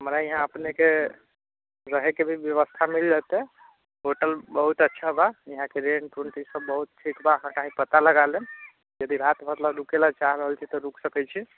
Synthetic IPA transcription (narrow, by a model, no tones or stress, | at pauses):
ɦəmɾaiɦãəpneke | ɾəɦekebʱibjəβəst̪ʰamild͡ʒat̪e | ɦoʈəlbəɦut̪ətːʃʰabaiɦãkeɾenɖʈuɳʈisəbːəɦut̪̚ʈʰikbaəɦãkaɦĩpət̪aləɡalen | jəd̪iɾat̪mət̪labɾukelat͡ʃaɦɾəɦəlt͡ʃʰit̪ɔɾuksəkɛt͡ʃʰi